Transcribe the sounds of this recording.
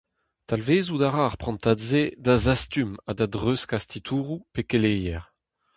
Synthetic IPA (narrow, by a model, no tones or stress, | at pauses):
t̪alveːzud̪aʁaʁpχɑ̃nt̪adzed̪azast̪ymad̪ad̪ʁøskast̪it̪ʰuːʁupekelejɛʁ